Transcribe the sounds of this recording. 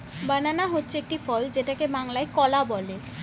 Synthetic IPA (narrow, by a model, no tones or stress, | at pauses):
bananaɦotːɕʰeek̚ʈifɔld͡ʑeʈakebaŋlaekɔlabɔle